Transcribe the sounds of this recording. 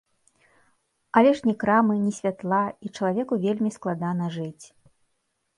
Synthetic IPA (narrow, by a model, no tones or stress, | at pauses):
ɐlʲɛʂnʲɛkɾamɨnʲisʲvʲat̪lˠait͡ʂɐlˠavʲɛkuvʲelʲmʲisklˠad̪anɐʐɨt͡sʲ